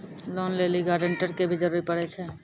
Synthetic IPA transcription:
lɔːnleːliɡaːɾɖəɳʈəɾkebʱid͡ʒəɾuːɾipəɽet͡ʃʰeː

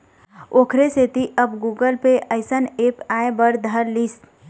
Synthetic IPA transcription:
oːkʰɾeset̪iʔəbɡuːɡəlpeʔəɪsəneːpaːebəɾd̪ʱəɾlis

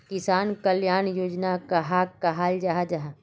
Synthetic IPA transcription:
kɪsaːnkɐljaːnjoːd͡ʒnakɐɦaːkːaɦaːld͡ʒaɦad͡ʒaɦa

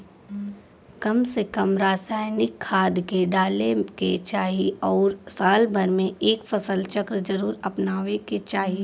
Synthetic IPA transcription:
kɐmsekɐmɾaːsaːɪnɪkʰːaːd̪keɖaːleket͡ʃaːɦiɔːɾsaːlbʱɐɾmẽeːkfʰɐsəlt͡ʃɐkɾd͡ʒɐɾuːɾɐpnaːʋeket͡ʃaːɦi

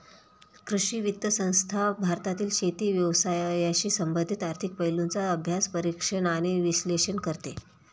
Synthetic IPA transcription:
kɾuɕiʋit̪ːəsə̃w̃st̪ʰabʱaɾt̪at̪iːlɕet̪iːʋjəʋsajjaɕiːsəmbənd̪ʱit̪aɾt̪ʰik̚pəɦjlunt͡saəbʱjaspəɾikʂənaɽ̃iʋiɕleʂənkəɾt̪e

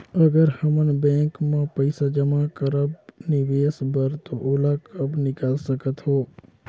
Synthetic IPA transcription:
əɡəɾhəmənbɛ̃ːŋkmãpəɪsad͡ʒəmakəɾəb̚nɪʋeːsbəɾt̪oʔoːlakəbnɪkəlsəkət̪ɦoː

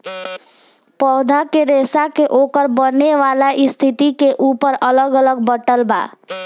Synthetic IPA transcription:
pɔːd̪ʱakeɾeːsakeʔoːkəɾbənːeʋalaʔɪst̪ʰit̪ikeʔuːpəɾələɡələɡ̚bəʈəlba̰ː

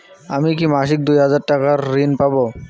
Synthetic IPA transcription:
amik̬imaʃ̬ik̚d̪ujɦad͡ʑaɾʈakaɾːinpabo

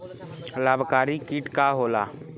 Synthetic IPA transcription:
laːbʱkaːɾikiʈkaɦoːla̰ː

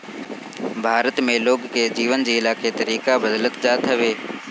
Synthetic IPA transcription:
bʱaːɾət̪mẽloːɡkeːd͡ʑiːʋənd͡ʑiːɪlaːket̪əɾiːkabəd̪lət̪d͡ʒaːt̪ʰəʋeː

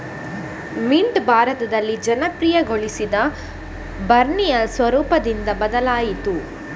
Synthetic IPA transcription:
miɳɖbʱaːɾɐt̪ɐd̪ɐlːid͡ʒɐnɐpɾijɐɡoɭisid̪ɐ | bɐɾɳijɐsʋɐɾuːpɐd̪ind̪ɐbɐd̪ɐlaːjit̪u

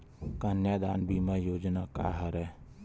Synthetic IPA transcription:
kənjad̪aːnbʱiːmajoːd͡ʒnaka̰ɦəɾɛː

